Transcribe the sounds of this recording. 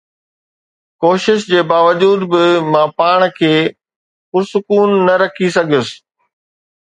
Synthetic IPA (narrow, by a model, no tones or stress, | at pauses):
koːʃɪʃd͡ʑeːbaːʋəd͡ʑuːd̪bɪmãpaːɽ̃kʰeː | xʊɾsʊkuːnːɐɾɐkʰis̬ɐɡʱjʊsɪ̥̆